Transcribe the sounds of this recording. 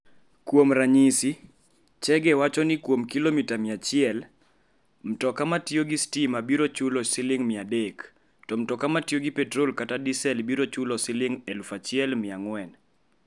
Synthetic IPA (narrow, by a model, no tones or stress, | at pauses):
kwomɾaɲisi | t͡ʃɛɡɛwat͡ʃɔnɪkwomkilomitamɪat͡ʃɪɛl | m̩tɔkamatjoɡistimabiɾot͡ʃʊlɔsɪlɪŋmɪadek | tɔm̩tɔkamatjoɡipɛtɾolkatadisɛlbiɾot͡ʃʊlɔsɪlɪŋɛlfat͡ʃɪɛlmɪaŋwɛn